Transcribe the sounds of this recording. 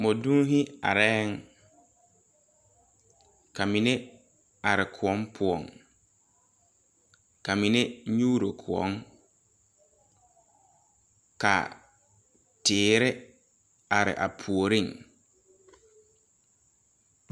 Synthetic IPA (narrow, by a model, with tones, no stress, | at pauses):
mɔ˨dũ˦ɦɪ˦a˨ɾɛː˦ŋ | ka˨mi˨ne˦ | a˨ɾɪ˨kʰʊ˨ɔ˦mpʰʊ˨ɔ˨ŋ | ka˨mi˨ne˦ɲuː˦ɾo˨kʰʊ˨ɔ̰˦ŋ | ka̰˨ | tɪː˨ɾɪ˦ | a˨ɾɪ̰˨ʔa̰˨pʰu˨o˨ɾĩ˦˨ŋ